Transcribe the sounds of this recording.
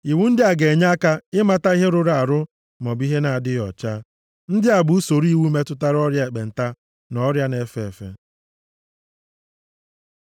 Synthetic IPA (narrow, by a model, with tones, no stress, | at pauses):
i˨wu˦n̩˦dɪ˦a˨ɡe˨ɲa˦a˦ka˦ɪ˦ma˨ta˦i˦ɦe˦ɾʊ˦ɾa˨a˨ɾʊ˦ | mɔ˨bi˦ɦe˦na˨a˨dɪ˦ɔ̰˨t͡ʃa˦ | n̩˦dɪ˦a˨bu˨˦u˦so˨ɾi˦wu˦me˦tʊ˦ta˦ɾɔ˦ɾja˦e˨k͡pe˨n̩˨ta˦ | nɔ˦ɾja˦ne˨fe˦˨e˨fḛ˦